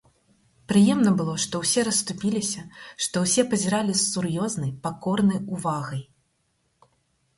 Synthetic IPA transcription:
pɾɨjɛmn̪ɐbɨlˠɔʂt̪ɔwsʲɛɾɐst̪upʲilʲisʲɐʂt̪ɔwsʲɛpɐzʲiɾalʲisːurjɔznɐjpakɔrnɐjuvaɣɐj

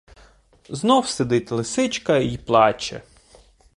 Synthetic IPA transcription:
znɔwsed̪ɪtʲlˠɪsɪt͡ʃkɐiplˠɑt͡ʃɛ̰

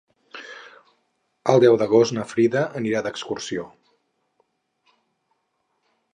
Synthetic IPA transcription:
əlˠd̪ɛwðəɣ̞ostnəfɾiðəʔəniɾad̪əkskursio

